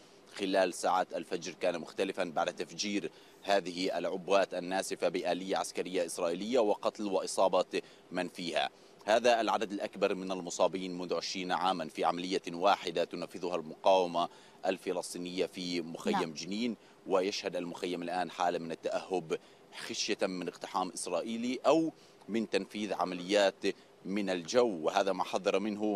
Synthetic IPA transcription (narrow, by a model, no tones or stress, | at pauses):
xɪlaːlsaːʕaːt̪alfad͡ʒɾkaːnamʊxt̪alɪfanbaʕd̪at̪afd͡ʒiːɾ | haːðɪhʔalʕʊbːaːt̪ʔanːaːsɪfabɪʔaːlɪjːaʕaskaɾɪjːaʔɪsɾˤɑːʔiːlɪjːawɪqɑt̪lwɪʔɨsˤɑːbɑ | manfiːha̰ | haːðaʔːlʕad̪ad̪ɪlʔakbɑɾˤmɪnalmʊsˤɑːbiːnmʊnðʊʕɪʃɾiːnʕaːmanfiːʕamalɪjːawaːħɪd̪at̪ʊnafːɪðʊhalmʊqɑːwɪma | ʔalfɪlɑsˤt̪ˤiːnɪjːafimʊxajːamd͡ʒɪniːn | wɪjaʃhad̪almʊxajːamalʔaːnħaːlamɪnat̪ːaʔahːʊb | xaʃjamɪnɪqt̪ɪ̥ħaːmʔɪsɾˤɑːʔiːliʔaw | mɪnt̪anfiːðʕa̰malɪjːaːt̪ | mɪnald͡ʒawːwɪɦaːðamaħɑðˤːɑɾˤmɪnɦʊ